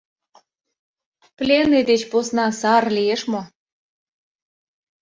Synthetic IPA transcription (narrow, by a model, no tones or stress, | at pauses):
plʲened̪et͡ɕposnɑsɑrlʲijeʃmo